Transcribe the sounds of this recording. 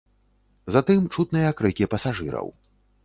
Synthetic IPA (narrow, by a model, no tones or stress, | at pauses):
zat̪ɨmt͡ʂut̪̚nɨjɐkɾɨkʲipɐsaʐɨɾɐ̰w